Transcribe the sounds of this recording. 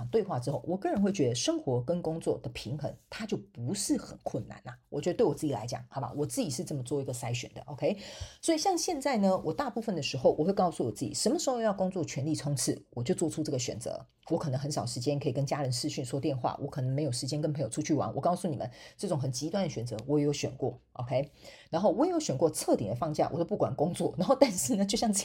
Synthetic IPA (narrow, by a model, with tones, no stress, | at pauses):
ŋt̪we˥˧ɪxwa˥˩ʈ͡ʂɻ̩˥xo˥˩ʊwɔ˨˩kɤ˥˩˨ɻə˧˥nxwe˥˩ɪt͡ɕɥɛ˧˥d̪ə˧ʂə˥ŋxwɔ˧˥kə˥nkʊ˥ŋt͡swɔ̰˥˩d̪̥ə˩pʰi˧˥ŋxə˧˥ŋt̪ʰa˥t͡ɕjo˥˩ʊpu˧˥ʂɻ̩˥˩xə̰˨˩nkʰwə˥˩nna̰˨˩nɐ˩wɔ˨˩t͡ɕɥɛ˧˥ə˧twe˥˩wɔ˨˩t͡sɹ̩˥˩t͡ɕi˨la̰˧˥ɪt͡ɕjɑ̰˨˩˦ŋxɑ˨˩ʊba̰˧wɔ˨˩t͡sɹ̩˥˩t͡ɕi˨˩ʂɻ̩˥˧t͡sɤ˥˩mə˩t͡swɔ˥˩i˧˥ɡə˧sa˥ɪɕɥɛ˨˩nd̪ə̰˦ʔo˧ʊkʰe˥ɪswɔ˧˥i˨˩ɕjɑ˥˧ŋɕjɛ˥˧nt͡sa˥˩ɪnə˩wʔɔ˨˩t̪a˥˧pu˥˩fə˨˩nd̪ə˩ʂɻ̩˧˥xo˥˧ʊwʔɔ˨˩xwe˥˧ɪkɑ˥˧ʊsu˥˩wɔ˨˩t͡sɹ̩˥˩t͡ɕḭ˨˩ʂə˧˥nmə˩ʂɻ̩˧˥xo˥˧jɑ˥˧ʊkʊ˥ŋt͡swɔ˥˩t͡ɕʰɥɛ˧˥nli˥˩t͡sʰʊ˥ŋt͡sʰɻ̩˥˩wɔ˨˩t͡ɕjo˥˧ʊt͡swɔ˥˧ʈ͡ʂʰu˥ʈ͡ʂɤ˥˩ɡə˩ɕɥɛ˨˩nt͡sɤ̰˧˦ | wɔ˧˥kʰɤ˨˩nɤ˧˥ŋxə˧˦nʂɑ˨˩ʊʂɻ̩˧˥t͡ɕjɛ˥nkʰɤ˧˥i˨˩kə˥nt͡ɕja˥ɻə˧˦nʂɻ̩˥˧ɕy˥˩nswɔ˥t̪jɛ˥˧nxwa̰˥˩wʔɔ̰˧˥kʰɤ˨˩nɤ˧˥ŋme˧˥ɪjo˨˩ʊʂɻ̩˧˥t͡ɕjɛ˥nkə˥npʰŋjo˨ʊʈ͡ʂʰu˥t͡ɕʰy˥˩wa̰˧˦nwʔɔ˨˩kɑ˥˧ʊsu˥˩ni˨˩mə̰˦nʈ͡ʂɤ˥˩ʈ͡ʂʊ˨˩ŋxə˨˩nt͡ɕi˧˥t̪wa˥˩nd̪ə˩ɕɥɛ˨˩nt͡sɤ˧˦wɔ˧˥je˨˩jo˧˥ʊɕɥɛ̰˨˩nkwɔ̰˥˩ʔo̰˧ʊkʰe˥ɪɻa˧˥nxo˥˩ʊwɔ˧˥je˨˩jo˧˥ɕɥɛ˨˩nkwɔ˥˧t͡sʰɤ˥˨˩t̪ḭ˨˩ŋd̪ə˩fɑ˥˧ŋt͡ɕja̰˥˩wɔ˨˩t̪o˥p̬u˥˩kwa̰˨˩nkʊ˥ŋt͡swɔ˥˩na˧˥nxo˥˧ʊt̪a˥˧nʂɻ̩˥˩nə˩t͡ɕjo˥˧ʊɕjɑ˥˧ŋ˥